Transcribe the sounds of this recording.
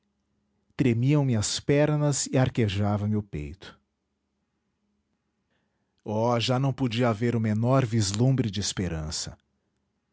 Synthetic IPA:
t̪ɾemiɐ̃w̃mɪɐspɛɾnɐzɪaɾkeʒavɐ̃mɪʊpḛjt̪ʊ̥ | ɔʒanɐ̃w̃pod͡ʒiɐaveɾʊmenɔɾvizlũmbɾɪd͡ʒɪːspeɾɐ̃sɐ̰

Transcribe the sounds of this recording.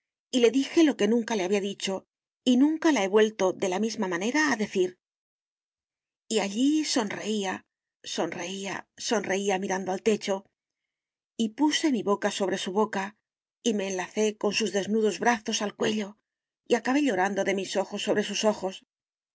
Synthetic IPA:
ile̞ðixe̞lo̞ke̞nũŋkaleaβiaðit͡ʃo̞ | inũŋkalae̞βwe̞lt̪o̞ðe̞lamizmamãne̞ɾaːðe̞θiɾ | iaʎiso̞nre̞ia | so̞nre̞ia̰so̞nre̞iamiɾand̪oalt̪e̞t͡ʃo̞ | ipuse̞miβo̞kaso̞β̞ɾe̞suβo̞ka | ime̞ːnlaθe̞ko̞nsuzðe̞znuðo̞zβɾaθo̞salkwe̞ʎo̞ | iakaβe̞ʎo̞ɾand̪o̞ðe̞miso̞xo̞sːo̞βɾe̞suso̞xo̞s

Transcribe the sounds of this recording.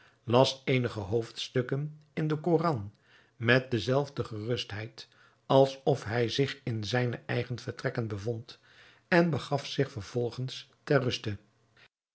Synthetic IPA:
lɑsejnəχəɦowftstɵkənɪndəkorɑn | mɛt̚dəzɛlˠvdəχərɵstɦɛjt | ɑlˠsɔfɦɛjzɪχɪnzɛjnəʔɛjχənvəɹtrɛkənbəvɔnt | ɛnbəχɑfsɪχfəɹv̥ɔlˠχənstɛɹrɵstə

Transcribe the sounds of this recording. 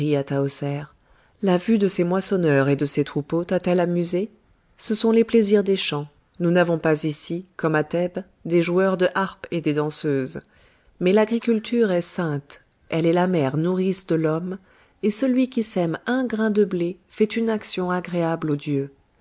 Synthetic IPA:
iat̪aɔsɛʁ | lavyd̪əsemwasɔnœʁed̪əset̪χupot̪at̪ɛlamyze | səsɔ̃lepleziʁd̪eʃɑ̃ | nunavɔ̃pazisikɔmat̪ɛb | d̪eʒuœʁd̪əʔaʁped̪ed̪ɑ̃søz | mɛlaɡʁikʲylt̪yʁɛsɛ̃t̪ | ɛlɛlamɛʁnuʁisd̪əlɔm | esəlɥikʲisɛmɛ̃ɡʁɛ̃d̪əblefɛt̪ynaksjɔ̃aɡʁeablod̪jø

